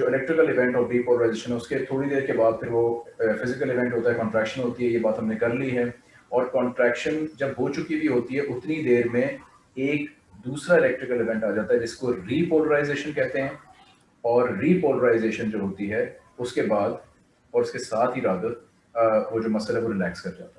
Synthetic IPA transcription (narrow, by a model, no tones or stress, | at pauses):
d͡ʒoːɪlɛːk̚ʈɾɪkəlɪʋɛ̃ɳʈɔːɾɾiːpoːlɾaːɪzeːʃə̃nɦɛʊsket̪ʰoːɽid̪eːɾkebaːd̪̚pʰɪɾʋofɪzɪkəlɪʋɛ̃ɳʈɦoːt̪aɦɛkɔ̃ːɳʈɾɛːkʃənɦoːt̪iɦɛjebaːt̪ɦɐmnekɐɾliɦɛː | ɔːɾkɔ̃ːɳʈɾɛːkʃənd͡ʒɐbɦoːt͡ʃʊkibʱiɦoːt̪iɦɛʔʊt̪nid̪eːɾmẽ | eːk | d̪uːsɾaɪlɛk̚ʈɾɪkəlɪʋɛ̃ɳʈaːd͡ʒaːt̪aɦɛd͡ʒɪskoɾiːpoːləɾaːɪzeːʃənkɛɦt̪eɦɛ̃ː | ɔːɾːiːpoːləɾaːɪzeːʃənd͡ʒoːɦoːt̪iɦɛ | ʊskebaːd̪ | ɔːɾʊskesaːt̪ʰɦiɾaːd̪ət̪ː | ʋod͡ʒoːmɐsəlaɦɛʋoɾɪlɛːkskɐɾd͡ʒa̰ːt̪a